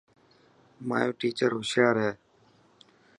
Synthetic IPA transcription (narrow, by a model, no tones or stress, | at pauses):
ma̰ːjoːʈiːt͡ʃəɾɦʊsjaːɾɦeː